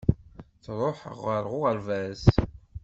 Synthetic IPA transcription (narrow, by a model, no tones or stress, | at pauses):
θɾˤoħəʁəɾˤʁʊʁəɾvæs